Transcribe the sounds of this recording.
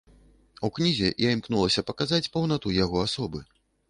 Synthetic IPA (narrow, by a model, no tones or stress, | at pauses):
uknʲizʲɛjaimknulˠɐsʲɐpɐkazat͡sʲpɐwnat̪ujaɣɔasɔbɨ